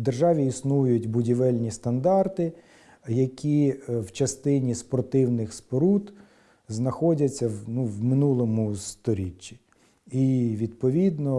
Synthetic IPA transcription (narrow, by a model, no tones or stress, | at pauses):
d̪erʒɑʋʲiisnujʊtʲbʊdʲiʋɛlʲnʲist̪ɐnd̪ɑrt̪ɪ | jɐkʲiwt͡ʃɐst̪ɪnʲispɔrt̪ɪwnɪxspɔɾut̪ | znɐxɔdʲɐt͡sʲːɐwnuwmɪnulˠɔmʊst̪ɔɾʲit͡ʃːi̥ | iʋʲid̪pɔʋʲid̪nɔ